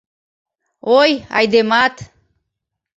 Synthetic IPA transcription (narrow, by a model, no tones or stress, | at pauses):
oja̰jd̪emat̪